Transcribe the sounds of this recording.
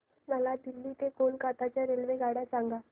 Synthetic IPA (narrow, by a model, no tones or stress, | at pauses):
məlad̪ilːiːt̪ekonkat̪at͡ɕjaɾelʋeɡaɽjasaŋɡa